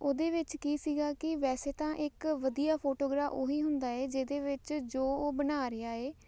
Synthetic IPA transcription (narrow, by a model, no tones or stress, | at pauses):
oːd̪eːʋɪt͡ʃkiːsiːɡaːkɪʋɛːseːt̪ãːʔɪkʋəd̪ijaːpʰoːʈoːɡɾaːfoːɦiːɦʊnd̪aːɛːd͡ʒeːd̪eːʋɪt͡ʃd͡ʒoːoːbənaːɾɪaːeː